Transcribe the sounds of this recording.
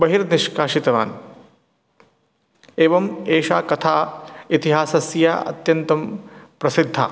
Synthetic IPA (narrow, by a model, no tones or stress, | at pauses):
bɐɦiɾniʃkaːʂit̪ɐʋa̰ːn | eːʋɐmeːʃaːkɐt̪ʰaːit̪iɦaːsɐsja̰ːɐ̰t̪jɐnt̪ɐmpɾɐsid̪ʱːa̰ː